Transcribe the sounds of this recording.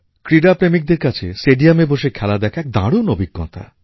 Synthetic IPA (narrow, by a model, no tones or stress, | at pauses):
kɾiɖapɾemik̚d̪eɾkat͡ɕʰesʈeɖiameboʃekʰɛlad̪ɛkʰaɛk̚d̪ã̰ɽunobiɡːɔ̰t̪ʰa̰